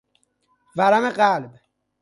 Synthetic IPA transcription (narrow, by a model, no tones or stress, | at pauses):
vaɾameqaːlɪb